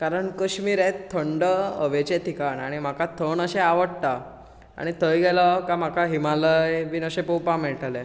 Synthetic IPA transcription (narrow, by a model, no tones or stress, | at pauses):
kaɾəɳkəɕmiːɾet̪ʰːəɳɖəəʋet͡ɕet̪ikaɳaɽ̃im̤akat̪ʰəɳəɕeaʋəɽt̪a | a̰ɽ̃it̪ʰəjɡɛlɔkam̤akaɦimaləjʋinəɕepowpamɛɭʈale